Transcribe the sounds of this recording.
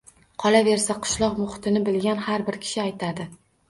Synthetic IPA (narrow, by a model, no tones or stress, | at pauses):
qʰɒlˠave̞ɾsaqʰʊ̥ʃlˠɒqmʊχɪ̥t̪ʰɪnɪbɪlɡʲanhaɾbɪɾkʲʰɪ̥ʃɪajt̪ʰad̪ɪ